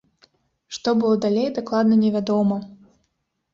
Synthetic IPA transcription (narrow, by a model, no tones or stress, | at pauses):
ʂt̪ɔbɨlˠɔd̪alʲejd̪aklˠad̪nɐnʲɛvʲad̪ɔmɐ